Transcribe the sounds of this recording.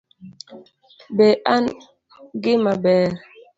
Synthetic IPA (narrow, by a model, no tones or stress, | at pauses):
bɛʔan | ɡɪmabɛːɾ